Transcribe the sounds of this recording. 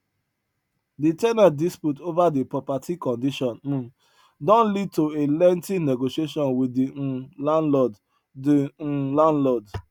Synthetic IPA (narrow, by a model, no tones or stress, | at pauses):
ditɛnadisputovadipɾɔpatikɔ̃ndiʃɔ̃n̩ | dɔ̃nlid̚toelɛ̃ntineɡoʃieʃɔ̃nwidĩlãnlɔd | dilãnlɔd